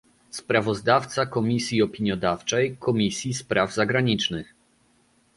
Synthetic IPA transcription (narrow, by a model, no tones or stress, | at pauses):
spɾavɔzd̪aft̪sakɔmʲisʲjiɔpʲiɲjɔd̪aft͡ʂɛjkɔmʲisʲjispɾavzaɡɾaɲit͡ʂnɘx